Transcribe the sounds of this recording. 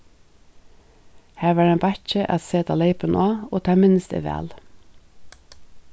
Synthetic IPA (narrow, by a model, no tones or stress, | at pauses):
hæːʋɑːɖeːmbɑçəʔɑ̰t̪seːt̪ʰɑ̰ːleɪpənʔoːoːt̪ʰɑmɪnəst̪ə̰ʋæ̰ːl